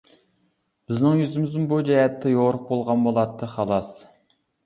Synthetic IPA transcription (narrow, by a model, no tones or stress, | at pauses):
b̥ɪznɪŋjyzɪmɪzɪmbud͡ʒɛɦɛt̪ʰːɛjoʁɾəq̚bolˠʁɑnbolˠɑt̪ʰːɨχɑlˠɑs